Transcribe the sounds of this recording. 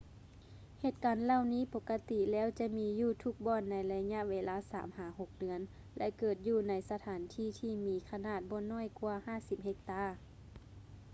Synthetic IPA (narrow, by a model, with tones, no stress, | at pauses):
heː˧˩t̪̚kaː˨˦nla˧˨wniː˧˥˨po˧kːa˧t̪i˧˨lɛː˦˥˨wt͡ɕa˧˦miː˧juː˧˩t̪ʰu˧˩k̚bɔː˧˨nːa˨˦jla˧ɲa˧˨ʔweː˧laː˧˥˨sa̰ː˨˩˦mhaː˨˦ho˧˦k̚dɯ˨˧ən | lɛ˧ʔkɤː˨˩t̪̚juː˧˩na˧˥jsa˧t̪ʰaː˨˦nt̪ʰiː˧˥˩t̪ʰiː˧miː˨˦kʰa˧naː˧˩t̪̚bɔː˧˦nɔː˧˥˨jku˧ɐhaː˧˩˨si˧˦p̚he˧k̚t̪aː˧˥˨